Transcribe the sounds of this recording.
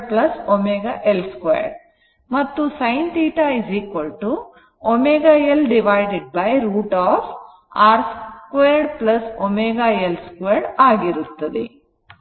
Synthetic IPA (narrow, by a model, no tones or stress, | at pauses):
plɐsomeːɡaʔelskʋḛːɖ | mɐt̪ːusɐjnʈ̪iːʈaːizikʋɐlʈu | omeːɡaːelɖiʋajɖeɖ̚bɐjɾuːʈaːf | aːɾskʋejːɖplɐsomeːɡaːelskʋeːɾɖaːɡiɾut̪ːɐd̪ḛ